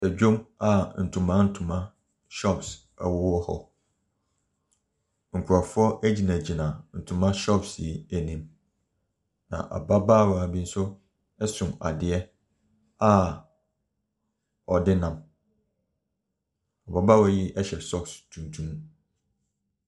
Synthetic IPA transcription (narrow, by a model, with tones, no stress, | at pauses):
sɛ˨d͡ʑᶣõ˦ma˨n̩˨tʰũ˨mã˦n̩˦tʰũ˨mã˦ | ʃɔ˦ps | a̰˨wɔ˦wɔ˦hɔ̰˨ | ŋ̩˨kʷʰu˨ɾa˨fʊ˦ɔ˦ʔæ˦d͡ʑi˨nã˨d͡ʑi˨nã˨n̩˨tʰũ˨mã˦ʃɔ˦psi˨æ˨nĩ˨˦m | nã̰˨ʔa̰˨ba˦ba˦˨wa˨a˨bi˦n̩˦sʊ˦ | ɛ˦sʊ̃˨ma̰˨dɪ˨ɛ˦ | a˦ | ɔ˨dɪ˦nã˨m | a˨ba˦ba˦wɔ˨jɪ˦ʔɛ˦ɕɛ˨sɔ˦˨kstʰũ˨tʰũ˦m